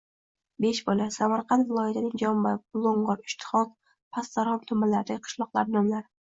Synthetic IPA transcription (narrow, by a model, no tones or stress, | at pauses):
be̞ʃbɒlasamaɾqʰɑnt̪vɪlˠɒjat̪ʰɪnɪŋd͡ʒɒmbabʊlˠoɴɢɒɾɪʃt̪ʰɪ̥χɒk̚ | pʰast̪aɾhɒmt̪ʰʊmːalaɾd̪aqʰɨ̥ʃlˠɒqlˠaɾd̪ɒmlaɾ